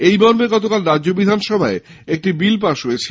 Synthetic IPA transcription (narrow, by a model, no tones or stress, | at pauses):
ejbɔɾmeɡɔt̪okalɾadʑobid̪ʱanʃɔbʱae | ek̚ʈibilp̬aʃɦojet͡ɕʰi